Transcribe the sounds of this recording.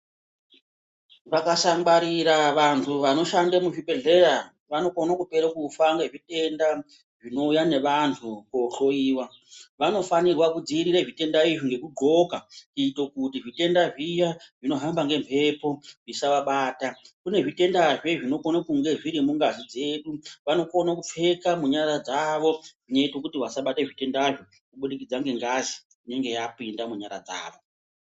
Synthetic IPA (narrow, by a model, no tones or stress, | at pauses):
ʋakasaŋɡ͡baɾiɾaʋantʰuʋano̞ʃandemuʐiɓe̞ɮe̞ɾa | ʋano̞konakupe̞ɾekufaŋɡe̞ʐite̞nda | ʐino̞ujane̞ʋantʰuko̞ɬo̞iːwa | ʋano̞fanirwakud͡ziɾireʐite̞ndaiʐiŋɡe̞kuɡʱo̞kakito̞kut̬iʐite̞ndaʐijaʐ̥ino̞ɦambaŋɡe̞mpʰe̞po̞ʐisaʋaɓaːtakune̞ʐite̞ndaʐeʐino̞konakuŋɡe̞ʐiɾimuŋɡazid͡ze̞ɗuʋano̞konakup͡fe̞kamuɲaɾad͡zaʋo̞ʐ̥ineitokutiʋasaɓateʐite̞ndaʐo | kuɓuɗikid͡zaŋɡe̞ŋɡazi | ine̞ŋɡe̞japuindamuɲaɾa̰d͡za̰ːʋo